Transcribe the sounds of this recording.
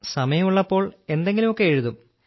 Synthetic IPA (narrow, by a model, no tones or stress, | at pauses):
sɐmɐjɐmuɭːɐpːo̞ːɭe̞nd̪e̞ŋɡilumo̞kːe̞ːɻuðum